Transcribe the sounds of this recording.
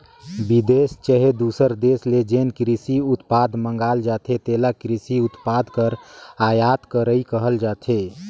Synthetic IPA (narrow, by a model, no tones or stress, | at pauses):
bid̪est͡ʃəɦed̪usəɾd̪esled͡ʒenkɾisiʊt̪pad̪ʱmə̃ŋɡaːld͡ʒaːt̪ʰet̪elakɾisiʊt̪paːd̪ʱkəɾaːjaːt̪kəɾəikəɦəld͡ʒaːt̪ʰe